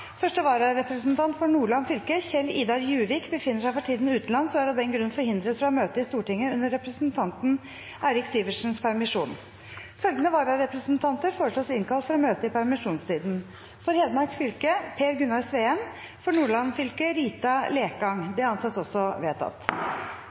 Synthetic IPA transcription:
fœʂʈəʋɑːɾɑɾɛpɾəsnt̪ʰɑnt̪fɔɳuːɭɑnfʏlkəçɛlːiːd̪ɑɾjʉːʋɪːkbəfɪnːəʂæɪfɔɾʈʰiːd̪nɪʉːt̪n̩ɑnsɔmæɾɑd̪ɛnɡɾʉnːfɔɾhɪnd̪ɾət̪fɔɾɑmøːt̪əɪst̪uːʈɪŋːəʉnːəɾːɛpɾəsnt̪ʰɑnt̪n̩ | æɪɾɪksiːʋəʂn̩spʰæɾmɪʂuːn | fœlɡ̪ənəʋɑːɾɑɾɛpɾəsn̩t̪ʰɑnt̪əɾfoːəʂoːsɪnkʰɑlt̪fɔɾɔmøːt̪əɪpʰæɾmɪʂuːnst̪ʰiːd̪n̩ | fɔɾheːd̪mɑɾksfʏlkəpʰeːɾɡʉnɑɾsʋeːɛn | fɔɳuːɭɑnfʏlkəɾiːt̪ɑleːkɡɑŋb̪ɛɑnsɑt̪sɔsːɔʋeːt̪ʰɑ̰t̪

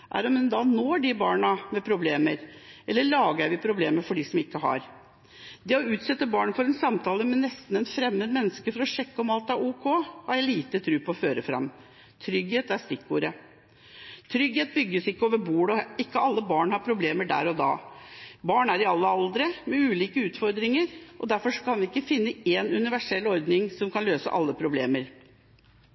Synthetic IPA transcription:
ʔæ̰ɾɔmd̪ɛnd̪ɑnoːɖɪbɑːɳəmɛpʰɾʊbleːməɾʔɛlːəɭɑːɡæʋɪpʰɾʊbleːməfɔɖiːsɔmɪkːəɦɑ̰ɾ | d̪ɛɔʉːt̪sɛt̪ːəbɑːɳfɔɾɛnsɑmt̪ʰɑːləmɛnːɛst̪n̩ɛnfɾɛmːəd̪mɛnːəskəfɔɾɔʂɛkːəɔmɑlt̪ɑʋuːkʰohɑɾjæliːt̪ət̪ʰɾʉːpʰɔɔføːɾəfɾɑ̰mː | t̪ʰɾʏɡheːt̪æst̪ɪkːuːɾə | t̪ʰɾʏɡheːt̪̚bʏɡːəsɪkːəoːʋəɾbuːɽɔɪkːəɑlːəbɑːɳhɑɾpʰɾʊbleːməɖæ̰ːɾɔd̪ɑ̰ːbɑːɳæɾɪɑlːəɑld̪ɾəmɛʉːliːkəʉːt̪fɔɾd̪ɾɪŋəɾʔɔd̪æɾfɔʂɔ̥kʰɑnʋɪɪkːəfɪnːəenʉnɪʋæʂɛlːɔɾd̪nɪŋsɔmkʰɑnløːsə̰ʔɑ̰lːəpʰɾʊblḛːməɾ

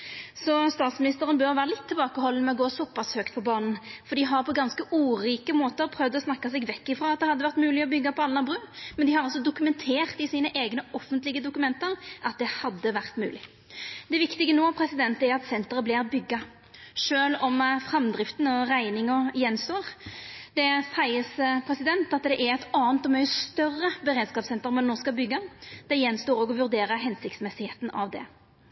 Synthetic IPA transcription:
sɔst̪ɑːt̪smɪnɪst̪əʁənbøʁʋæːɾəlɪt̪ʰːɪlbɑːkəhɔlːənəmɛɔɡoːsɔpːɑshøːkt̪̚pʰɔbɑːnn̩fɔɾd̪ɪɦɑʁpʰɔɡɑnskəʔuːɾiːkəmoːt̪əʁpʰɾœʋd̪əɔsnɑkːɑsɛɡʋɛkːɪfɾoːɑt̪̚d̪ɛhɑd̪ːəʋæʁt̪mʉːlɪɔbʏɡːɑpʰɔɑlːənɑbʁʉːmɛnd̪ɪhɑɾɔls̬ɔd̪ʊkʉmɛnt̪ʰeːʁt̪ɪsiːnəʔeːɡnəɔfːənt̪lɪɡəd̪ʊkʉmɛnt̪əɾʔɑt̪̚d̪ɛhɑd̪ːəʋæʁt̪mʉ̰ːlɪ | d̪̥ɛʋɪkt̪ɪɡənoːɑpʰɾɛsɪd̪ɛnt̪æɾɑt̪sɛnt̪əʁəblɪːbʏɡːɑ | ʂøːlɔmfɾɑmd̪ɾɪft̪n̩ɔʁæɪnɪŋɔjɛnst̪oːʁd̪̥ɛsæɪəsəpʰɾɛsɪd̪ɛnt̪ɑt̪d̪ɛʔæɾɛt̪ɑːnt̪ɔmœʏəst̪œrːəbəʁeːd̪skɑːpsɛnt̪əɾmɛnːɔʁskɑbʏɡːɑd̪̥ɛjɛnːst̪oːɾɔːɡɔʋʉʁd̪eːɾəɦɛnsɪkt̪smɛsɪheːt̪n̩ʔɑʋd̪ɛ̰

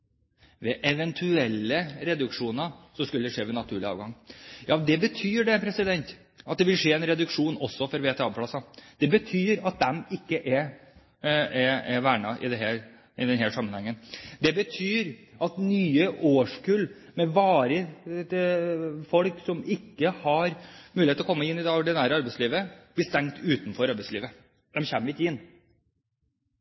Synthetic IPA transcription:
ʋɛʔɛʋɛnt̪ʰʉɛlːəɾɛd̪ʉkʂuːnəsɔskʉləd̪ɛʂeːʋɛnɑt̪ʰʉːɭɪɑ̰ːʋɡɑŋːjɑːd̪ɛbət̪ʰyːɖɛpʰɾɛsɪd̪ɛnt̪ | ɑt̪̚d̪ɛʋɪlʂeːɛnɾɛd̪ʉkʂuːnɔsːɔfɔɾʋeːt̪ʰɛɑbpʰlɑsɑd̪̥ɛbət̪ʰyːɾɑt̪̚d̪ɛmɪkːəʔɛ | ɛɛʋæːɳɑʔɪ̰d̪ɛɦæːɾ | ɪd̪ɛnɦæːʂɑmːənhɛŋːənd̪ɛbət̪ʰyːɾʔɑt̪nyːəʔoːʂkʉl | mɛʋɑːɾə | fɔlksɔmɪkːəhɑɾmʉlɪet̪ɔkɔmːəɪnːɪd̪ɛɔɖɪnæːɾəɑɾbæɪsliːʋəb̥lɪst̪ɛŋt̪ʉːt̪n̩fɔɾɑɾbæɪsliːʋə | d̪ɛmçɛmːəɾɪkːəɪnː

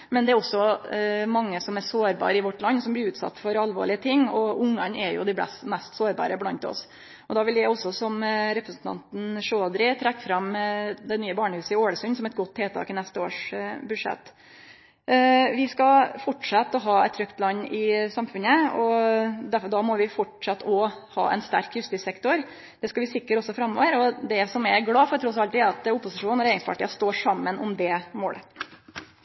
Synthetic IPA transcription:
mɛnd̪ɛæɾɔsːɔmɑŋːəsɔmæɾsoːɾbɑ̰ːɾəɪʋɔʈːlɑnːsɔmblɪɾʉːt̪sɑ̰t̪ːfɔɾɑlʋo̰ːɭɪət̪ʰɪŋːɔʊŋːɑnɛɾjʊ̰d̪ɪblɛ̰st̪mɛst̪soːɾbɑ̰ːɾəblɑnt̪ɔ̰s | ʔɔd̪ɑːʋɪljæɪɔsːɔsɔmɾɛpɾəsn̩t̪ʰɑ̰nt̪n̩ʂøːd̪ɾɪt̪ʰɾɛkːfɾɑmd̪ɛnyːəbɑːɳəhʉːsəɪoːɽəsʉnsɔmɛt̪̚ɡɔt̪ʰːeːt̪ʰɑ̰ːkɪnɛst̪əo̰ːʂbʉd̪ʂɛ̰t̪ː | ʋɪskɑfɔʈʂɑt̪ːɔɦɑːɛ̰t̪ʰːɾœkt̪lɑnːɪsɑmfʉnəɔd̪æfɔd̪ɑːmɔʋɪfɔʈʂɑt̪ːɔhɑ̰ːʔɛ̰nst̪æɾkʰjʉst̪ɪsɛkt̪ʊɾ | d̪̥ɛskɑʋɪsɪkːəɾɔsːɔfɾɑmːɔ̰ːʋəɾɔd̪ɛsɔmɛɡlɑːfɔɾt̪ʰɾɔs̬ɑlt̪ɪæɾɑt̪ʊpːʊsɪʂuːnæɾæɪɪəŋsfɑ̰ʈɪɑst̪oːʂɑmːənʊmd̪ɛmo̰ːlʔə

